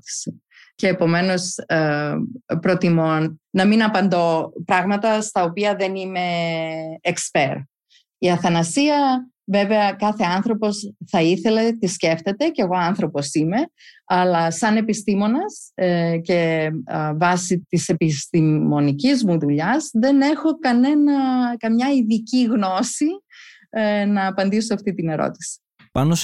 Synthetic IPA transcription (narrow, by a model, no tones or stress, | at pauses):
i̥si | ceːpo̞me̞no̞s | pɾo̞t̪imonnɐminɐpɐnd̪o̞pɾɐɣmɐt̪ɐst̪ɐopiɐðe̞nime̞ː | kspeɾ | iɐθɐnɐsiɐ | ve̞ve̞ɐkɐθe̞ɐnθɾo̞po̞sθɐiθe̞le̞t̪isce̞ft̪e̞t̪e̞ceɣo̞ɐnθɾo̞po̞sime̞ɐlɐsɐne̞pist̪imo̞nɐsce̞ | vɐsit̪ise̞pist̪imo̞nicizmuðuʎɐzðe̞ne̞xo̞kɐne̞nɐkɐmɲɐiðiciɣno̞si | nɐːpɐnd̪isoɐft̪it̪ine̞ɾo̞̰t̪i̥si̥ | pɐno